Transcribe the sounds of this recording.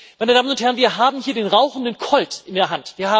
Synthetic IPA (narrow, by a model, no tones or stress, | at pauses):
maɪnədaːmənʊnthɛʁnviːɐɦaːbm̩hiːɐdeːnʁaʊxn̩dənkʰɔltɪndeːɐɦantv̥iːɐhaː